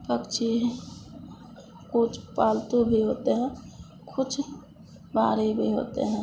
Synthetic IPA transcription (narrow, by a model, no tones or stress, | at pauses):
pəkt͡ʃʰi | kʊt͡ʃʰpaːlt̪ubʱiɦoːt̪eɦɛ̃ː | kʰʊt͡ʃʰ | baːɾibʱiɦo̰ːt̪ḛɦɛ̃ː